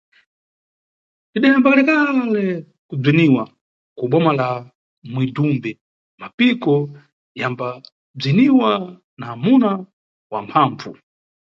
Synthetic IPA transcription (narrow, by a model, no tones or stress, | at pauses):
tiɗajambakalɛkalɛ | kub͡ʐiniwa | kuɓɔmala | mwidumbɛ | mapikɔ | jamba | b͡ʐiniwa | naːmuna | wa̰mpʰaːɱvu